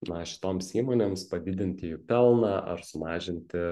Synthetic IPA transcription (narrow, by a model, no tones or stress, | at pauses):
nɐʃʲɪ̥t̪oːmsiːmoːnʲeːmspɐd̪ʲɪd̪ʲɪnʲt̪ʲɪɪpʲɛlˠnɑːʔɐ̰ɾsʊmɑːʒʲɪnʲt̪ʲɪ